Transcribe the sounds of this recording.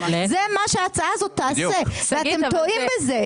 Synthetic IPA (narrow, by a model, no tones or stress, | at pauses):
zemaʃeaːt͡saazot̪ːaːseveaemt̪oimbeze